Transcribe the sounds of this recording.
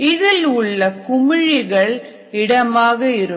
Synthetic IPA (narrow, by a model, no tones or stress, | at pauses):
ɪðɪlʊɭːɐkʊmɪɻɪɣɐɭ | ɪɽɐmaːɣɐɪɾɯ